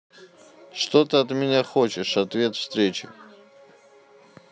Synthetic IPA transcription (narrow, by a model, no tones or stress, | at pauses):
ʂt̪ot̪ɨɐt̪mʲɪnʲaxot͡ɕɪʂɐt̪vʲet̪fst̪ɾʲet͡ɕɪ̰